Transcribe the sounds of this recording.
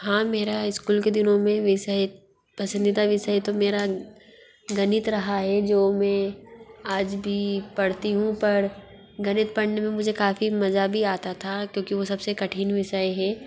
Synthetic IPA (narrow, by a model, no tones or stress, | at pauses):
ɦãːmeːɾaɪskuːlked̪ɪnõmẽʋɪsəe | pɐsə̃nd̪it̪aʋɪsəjt̪omeːɾa | ɡɐnɪt̪ɾɐɦaɦɛd͡ʒoːmɛ̃aːd͡ʒbʱipɐɽt̪iɦũpɐɾ | ɡɐnɪt̪̚pɐɽnemẽmʊd͡ʒʱekaːfimɐzabʱiaːt̪at̪ʰakjõːkiʋosɐbsekɐʈʰiːnʋɪʃəeɦɛː